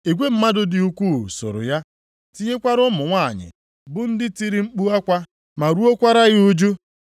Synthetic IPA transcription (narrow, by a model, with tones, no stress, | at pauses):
e˨ɡʷe˦m̩˦ma˦dʊ˦dɪ˨u˦kʷu˦˨so̰˨ɾʊ̰˨ja˦ | ti˦ɲe˦kʷa˦ɾʊ˦mʊ˨ŋʷa̰˦˨ɲɪ̰˨ | bʊ˦n̩˦dɪ˦ti˦ɾi˦ŋ͡m̩˦k͡pu˦a˦kʷa˦ | ma˨ɾu˦o˦kʷa˦ɾa˦ɣɪ˦u˦d͡ʒu˦